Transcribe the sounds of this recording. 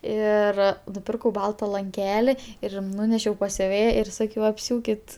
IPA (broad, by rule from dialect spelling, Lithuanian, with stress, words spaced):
ˈɪr nʊˈpʲɪrkɐʊ ˈbɐlˠtɐ lˠɐŋʲˈkʲæːlʲɪ ɪr ˈnuːnʲɛʃʲɛʊ pɐs sʲʊˈʋʲeːjɛ ɪr ˈsɑːkʲɛʊ ɐpʲˈsʲuːkʲɪt